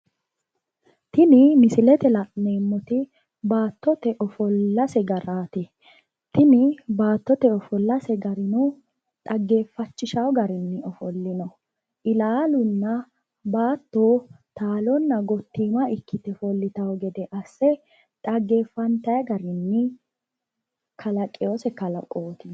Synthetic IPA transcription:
t̪ɪnɪmɪsɪlɛt̪ɛlɐʔneːmːɔt̪ɪ | baːt̪ːɔt̪ɛʔɔfɔlːɐsɛɡɐɾaːt̪ɪ | t̪ɪnɪbaːt̪ːɔt̪ɛɔfɔlːɐsɛɡɐɾɪnu | t̪ʼɐɡːe̞ːfːɐt͡ʃːɪʃɐwɡɐɾɪnːɪɔfɔlːɪnɐ | ʔɪlaːlʊnːɐ | baːt̪ːoː | t̪aːlɔnːɐɡɔt̪ːiːmɐɪkʰːɪt̪ɛfɔlːɪt̪ɐɔɡɛd̪ɛʔɐsːɛ | t̪ʼɐɡːeːfːɐnt̪ɐjɐɡɐɾɪnːɪ | kʰɐlɐkʼːɛjoːsɛkɐlɐkʼoːt̪ɪ

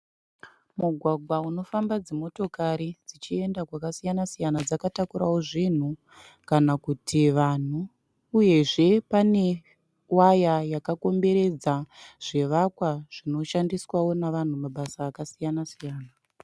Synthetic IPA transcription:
muɡʱwaɡʱwauno̞fambad͡zemo̞to̞kaɾid͡zit͡ʃie̞ndakwakasijanasijanad͡zakatakuɾawoʐin̤u | kanakutʰiʋan̤uː | je̞ʐe̞pane̞ | wajajakako̞mbe̞ɾe̞d͡zaʐ̥e̞ʋakwaʐ̥ino̞ʃandiswawo̞naʋan̤umaɓasaːkasijanasijaːna

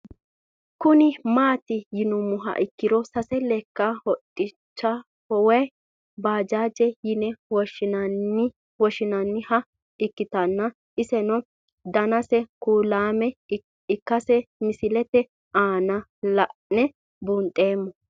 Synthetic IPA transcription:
kʊnɪmaːt̪ɪjɪnʊmʊɦɐ̰ʔɪkːɪd̪ɔsɐsɛlɛkːɐhɔtʼːɪ | t͡ʃːɐ | hɔwɛj | baːd͡ʒaːd͡ʒɛjɪnɛwɔʃɪnɐnɪ | wɔʃɪnɐnːɪhɐ | ɪkːɪt̪ɐnːɐ | ɪsɛnɔ | d̪ɐnɐsɛkuːlaːmɛ | ɪkːɐsɛmɪsɪlɛt̪ɛ | ʔaːnɐlɐʔnɛ | buːnt̪ʼe̞ːmːɔ

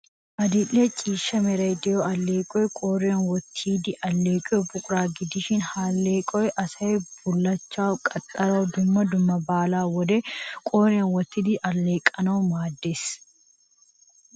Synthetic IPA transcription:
ʔɐd̪ɪlːeːt͡ʃʼiːʃːɐmɛɾɐjd̪ɪjoːʔɐlːeːkʼɔjɛkʼoːɾeːnwɔt̪ʰːiːd̪ɪʔɐlːeːkʼɔɔbʊkʼʊɾaːɡɪd̪ɪʃɪnhaːlːeːkʼɔɛʔɐsɐɛbʊlːɐt͡ʃːaːkʼɐt̪ʼːɐɾɐːd̪ʊmːɐd̪ʊmːɐbaːlaːwɔd̪ekʼoːɾeːnwɔt̪ːiːd̪ɪʔɐlːeːkʼɐnoːmaːd̪ːes

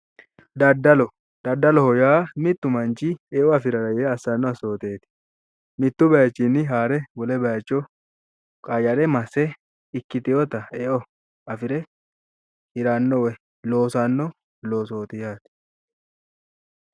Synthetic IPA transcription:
d̪ɐd̪ɐlɔ | d̪̥ɐd̪ːɐlɔhɔjaːmɪt̪ːʊmɐnt͡ʃɪeːʔɔɐfɪɾɐɾɐjɛɐsːɐnːɔɐso̞ːt̪e̞ːt̪ɪ̥ | mɪt̪ːʊbɐjɐt͡ʃːinːɪɦaːɾɛwɔlɛbɐjɐt͡ʃːɔ | kʼaːjɐɾɛmɐsɛ | ɪkːɪt̪ɪjɔt̪ɐeːʔɔ | ɐfɪɾɛ | hɪɾaːnːɔwɛ | lo̞ːsanːɔ | lo̞ːso̞ːt̪ɪjaːt̪ɪ̥

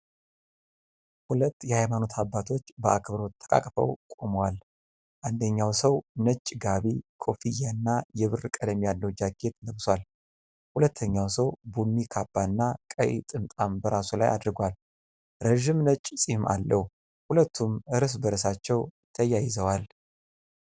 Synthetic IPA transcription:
hulət̪ːjɛhajmano̞t̪ʰabːat̪ʰo̞t͡ʃːbəʔakʰbɾo̞t̪ʰːə̥kʼa̰kʼfə̰wkʼoməwal | ʔand̪əɲːawsəwnət͡ʃʼɡaβikʰʼo̞fijanːajɛβɨrkʼəd̪əmijalːəwd͡ʒaɡe̞t̪nəβswʷal | hulət̪ʰːəɲːawsəwbunːikʰabːanːakʼə̰j̰t̪ʼɨmt̪ʼambəɾasula̰ja̰d̪ɾɡwal | ɾəʒɪmnət͡ʃʼsʼihma̰lːəh | hulət̪ʰːumɨɾɨs̬bəɾəsat͡ʃːɛw | t̪ʰəjajɪzəwal

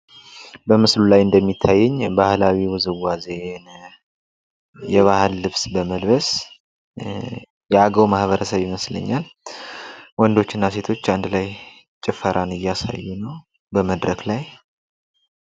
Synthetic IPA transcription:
bəmɨslulajɨnd̪əmːit̪ʰːajːɛɲːbahlawiwɨzɨwːazen | jɛβahəlːɨβsbəməlβəs | jɛaɡəwmahβəɾəsəβjiməslə̰ɲːal | wɔnd̪o̞t͡ʃːɪnːase̞t̪ʰo̞t͡ʃːand̪laj | t͡ʃʼɪfəɾʔanɨjːasa̰jːɛnəw | bəməd̪ɾəklaj

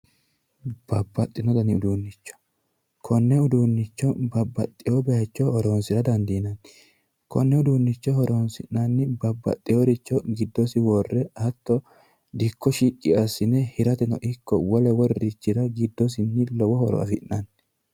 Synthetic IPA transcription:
b̥ɐbːɐt̪ʼːɪnɔd̪ɐnɪʊd̪uːnːɪt͡ʃːɔ̥ | kʰɔnːɛʊd̪uːnːɪt͡ʃːɔbɐbːɐt̪ʼːɪjobɛjɐt͡ʃːɔhɔɾoːnsɪɾɐd̪ɐnd̪inɐnː | kɔnːɛʊd̪uːnːɪt͡ʃːɔhɔɾoːnsɪ̰nːɐnːɪbɐbːɐ̰t̪ʼːɪjoɾɪt͡ʃːɔɡɪd̪ːɔsɪwɔrːɛhɐt̪ːɔ | d̪ɪkːɔʃikʼːɪɐsːɪnɛhɪɾɐt̪ɛnɔ̰ʔɪkːɔwɔlɛwɔɾːɪt͡ʃːɪɾɐɡɪd̪ːɔs̬ɪnːɪlɔwɔhɔɾɔ̰ɐ̰fɪnːɐn

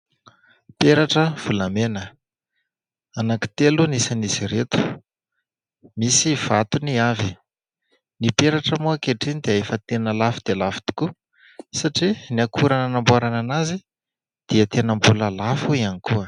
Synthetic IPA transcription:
peɾaʈ͡ʂəv̥ulamenə | anaki̥t̪elunisaniziɾet̪u̥ | misiv̥at̪uniavi | nipeɾaʈ͡ʂəmuakeʈ͡ʂinid̪eefət̪enəlafud̪̥elafi̥t̪i̥ku | saʈ͡ʂiniakʰuɾananambuaɾananazi | d̪̥iət̪enəmbuləlafuianikuə

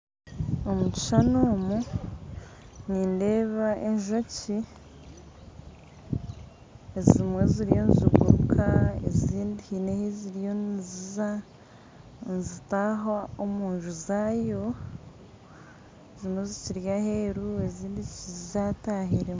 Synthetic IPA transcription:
o̞muci̥ʃanoːmu | niːnde̞ːβaʔe̞ɲʒo̞ci | ezimwe̞ziɾijo̞niziɡṵɾukʰaḛziːndihinehiziɾijo̞nziza | nzitaɦaomuːɲʒuzaːjo̞ | ezimwe̞ziciɾjaheːɾue̞ziːndicizizataɦiɾem

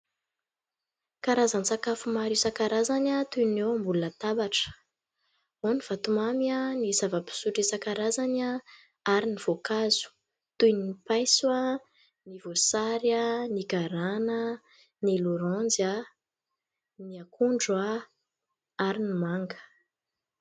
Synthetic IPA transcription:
kaɾazant͡sakafumaɾisakaɾazanat̪unewambulunət̪abaʈ͡ʂə̥ | oniv̥at̪umamianizavəpi̥suʈ͡ʂisakaɾazana | aɾiniv̥okazu̥ | t̪ujnipajswa | nivosaɾjaniɡaɾanə | niluɾɔnd͡za | niakuɳɖ͡ʐwa | aɾinimaŋɡə̥

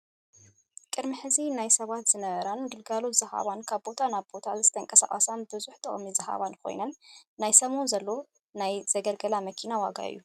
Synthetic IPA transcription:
kʼɨɾmɨħɨzinajsɐβat̪z̥ɨnɐβɐɾanɡɨlɡalot̪z̥ɨha̰βankʰaβbo̞t̪ʰanaβbo̞t̪ʰazɨt̪ʰɐŋkʼɐsa̰ʔʼa̰sanbɨzuħt̪ʰɐʔʼmizɨha̰βankʰo̞̰jnɐnːajsɐmonzɐlːo | najzɐɡɐlɡɐlamɐkʰinawaɡa̰ɨ̰jːu

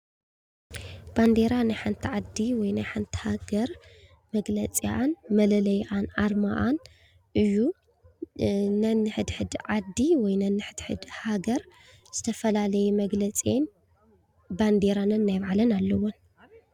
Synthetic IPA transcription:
b̥and̪e̞ɾanajħant̪ʰiʕad̪iwɔjnajħant̪ʰi̥haɡɐɾ | mɐɡlɐt͡sʼiʔanmɐlɐlɐjʔanʔaɾmaʔan | ʔɨjːu | nɐnːɨħɨd̪ħɨd̪ʕad̪ːiwɔjnɐnːɨħɨd̪ħɨ̰d̪haɡɐɾ | z̥ɨt̪ʰɐfɐlalɐjumɐɡlɐt͡sʼen | band̪e̞ɾanɨnnajβʕalɐnalːɐwon

